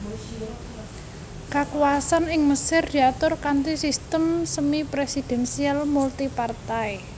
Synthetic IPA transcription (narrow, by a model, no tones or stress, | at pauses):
kakuwasanɪŋməsɪrd̪̥i̤at̪ʊrkant̪isist̪əmsəmipɾesid̪̥ɛ̤nsialmult̪ipart̪aj